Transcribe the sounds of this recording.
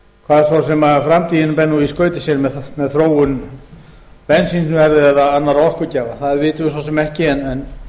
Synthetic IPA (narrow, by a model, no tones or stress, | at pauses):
kʰvaːðɛɾsawsɛmafɾamt̪iːðɪnmpɛnːuiskœːɥt̪ɪ̥sjɛɾmɛðmɛðθɾoːwʏn | pɛnsinsnʏvɛɾðɪɛðaðanːaɾaɔhkʏɾcɛːvaθaðvɪːt̪ʏvɪsawsɛmɛhcɪɛnɛn